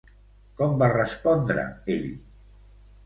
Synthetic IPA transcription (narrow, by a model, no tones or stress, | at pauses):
kɔmbarəspɔnd̪ɾə̰eʎ